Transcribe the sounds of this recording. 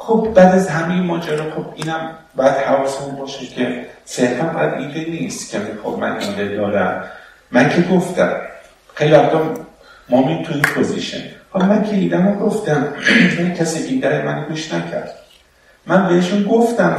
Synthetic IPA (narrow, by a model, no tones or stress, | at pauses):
xobbæːd̪æzɦæmejemɒːd͡ʒæɾɒːxobiːnæm | bɒːjæd̪̥hævɒːsemunbɒːʃecʰeseɾfænbæjæd̪iːd̪eniːst̪cʰeænixo̰bmæ̰nʔḭːd̪ed̪ɒːɾæmː | æncʰe̞ɡoft̪æ̰m | xejlivæxt̪ɒ | momit̪ʰuiːnpʰozḭʃḛnhɒlɒmæncʰe̞iːd̪æmoɡoft̪æmjænicʰæsib̪id̪æɾemæneɡuːʃnæcʰæ̰ɾd̪̥ | mænbeeʃunɡoft̪æm